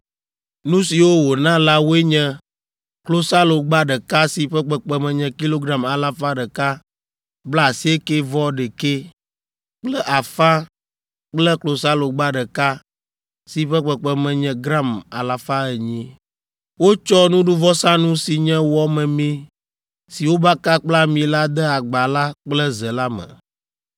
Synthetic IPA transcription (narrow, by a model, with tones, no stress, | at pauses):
nũ˦si˨wo˦wo˨nã˦la˦wo˦e˦ɲɛ̃˦ | klo˨sa˦lo˨ɡ͡ba˦ɖɛ˨ka˦si˨ɸɛ˦k͡pɛ˦k͡pɛ˦mɛ̃˨ɲɛ̃˨ki˦lo˦ɡɾa˦ma˨la˦fa˦ɖə˨ka˦ | bla˦a˨si˦e˦ke˦vɔ˦ɖe˨ke˦ | k͡plɛ˦ʔa˨fa˦ | k͡plɛ˦klo˨sa˦lo˨ɡ͡ba˦ɖə˨ka˦ | si˨ɸɛ˦k͡pɛ˨k͡pɛ˨mɛ̃˨ɲɛ̃˨ɡɾa˦ma˨la˨fa˦ɛ˨ɲĩ˦ | wo˦t͡ʃɔ˦nũ˦ɖu˦vɔ˦sã˦nũ˦si˨ɲɛ̃˦wɔ˦mɛ̃˨mĩ˦ | si˨wo˦ba˦ka˦k͡pla˦mĩ˨la˦d̪ɛ˦a˨ɡ͡ba˨la˦k͡plɛ˦zɛ˨la˦mɛ̰̃˨